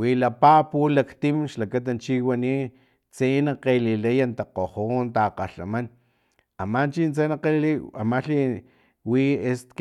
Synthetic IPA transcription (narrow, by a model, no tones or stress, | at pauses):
wilapapulakt̪imʃlakat̪̬ant͡ʃiwani | t͡senaqelilajant̪aqohont̪aqaɬa̰man | amant͡ʃint͡senaqeliliamaɬi | wiesk